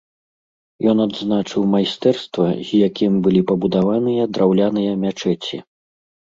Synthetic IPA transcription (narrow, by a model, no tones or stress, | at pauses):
jɔnad̪znat͡ʂɨwmajst̪ɛrst̪vɐzʲjakʲimbɨlʲipɐbud̪avanɨjɐd̪ɾawlʲanɨjɐmʲat͡ʂɛt͡sʲḭ